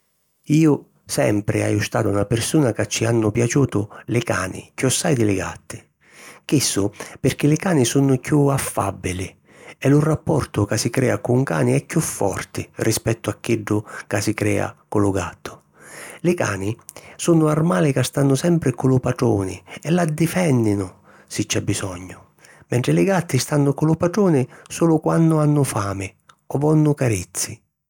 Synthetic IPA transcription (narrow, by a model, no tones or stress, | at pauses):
iːʊ | sɛ̰mpɾɪa̰jʊst̪aːt̪aunapɪrsuːnakat͡ʃːianːʊpjat͡ʃuːt̪ʊlɪkaːnɪ̰kuɔsːajd̪ɪlɪɡa̰t̪ːɪ̥ | k̟isːʊpɪrk̟ɪlɪkaːnɪsunʊkjuafːa̰bːɪlɪ | ɛlʊrapːɔrt̪ʊkasɪkɾɛːakʊŋka̰ːnɪɛkːjufːɔ̰rt̪ɪrʔispɛt̪ːʊakːɪɖːʊkasikɾɛ̰ːa̰kʊlʊɡa̰t̪ːʊ̥ | lɪka̰ːnɪsunʊarmaːlɪkast̪anːʊsɛmpɾɪkʊlʊpaʈɽɔːnɪ̰ɛlad̪ːifɛnːɪnʊ | sɪt͡ʃːabːisɔɲːʊ | mɛɳʈ̪ɾɪlɪɡat̪ːist̪anːʊkʊlʊpaʈuːnɪsuːlʊkwanːʊanːʊfaːmɪ | ɔvɔnːʊkaɾit̪sːi